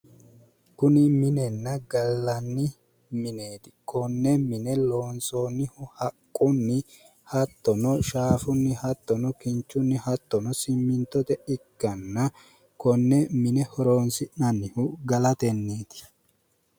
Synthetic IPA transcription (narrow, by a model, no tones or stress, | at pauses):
kʊnɪmɪnɛnːɐɡɐlːɐnːɪ | mɪne̞ːt̪ɪ̥kʰɔnːɛmɪnɛloːnsoːnːɪhʊhɐkʼːʊnːɪ | hɐt̪ːɔnɔʃaːfʊnːɪhɐt̪ːɔnɔkɪnt͡ʃːʊnːɪhɐt̪ːɔnɔsɪmːɪnt̪ːɔt̪ɛɪkːɐnːɐ | kɔnːɛmɪnɛhɔɾoːnsɪʔɐnːɪhʊɡɐlɐt̪ɛnːe̞ːt̪ɪ̥